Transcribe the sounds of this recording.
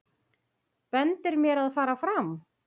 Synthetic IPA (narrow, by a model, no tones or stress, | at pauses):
pɛnt̪ɪɾmjɛɾaðfaːɾafɾam